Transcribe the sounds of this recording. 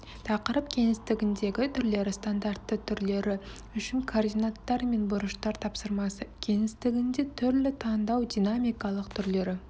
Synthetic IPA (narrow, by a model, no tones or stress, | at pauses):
t̪ʰɑqəɾəp̚kʲʰe̞ŋɪst̪ɪɡʲɪnd̪e̞ɡʲɪt̪ʰʏɾle̞ɾɪst̪and̪art̪ːət̪ʰʏɾle̞ɾɪ | ʏʃɪŋkʰord̪ʲijnat̪ːɑɾme̞nbʊɾəʃt̪ɑɾt̪ʰɑpsəɾmɑsəkʲʰe̞ŋɪst̪ɪɡʲɪnd̪e̞t̪ʰʏɾlɪt̪ʰɑnd̪ɑwd̪ijnamijkɑlˠəqt̪ʰʏɾle̞ɾɪ